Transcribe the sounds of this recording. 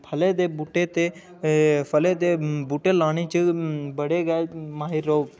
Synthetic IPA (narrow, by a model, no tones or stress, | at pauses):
pʰəleːd̪eːbuːʈet̪e | pʰəled̪ebuːʈeːlaːñeːt͡ʃəbəɽeːɡaːmaːɦiɾoː